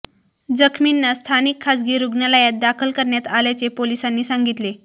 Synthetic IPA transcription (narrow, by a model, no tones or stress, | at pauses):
d͡zəkʰminːast̪ʰanikʰːasɡiːɾuɡnalajat̪̚d̪akʰəlkəɾɳjat̪aljat͡sepolisanːiːsaŋɡit̪le